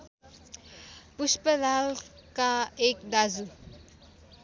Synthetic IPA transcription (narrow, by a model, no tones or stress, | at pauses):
puspəlalkaekd̪azu